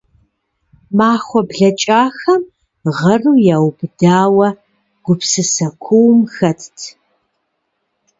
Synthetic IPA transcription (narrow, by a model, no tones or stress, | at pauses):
maːxʷɔbɮɐt͡ʃʼaːxɐm | ʁɐruːjaːwbdaːwɐ | ɡ̥ʷʊpsɨsɐkʷʰowmxɐtʰtʰ